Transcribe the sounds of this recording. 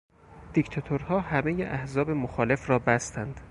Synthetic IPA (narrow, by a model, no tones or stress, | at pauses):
d̪̥ikt̪ʰɒt̪ʰoɾhɒːhæme̞jeʔæhzɒːbe̞moxɒːle̞fɾɒːbæst̪ʰænd̪̥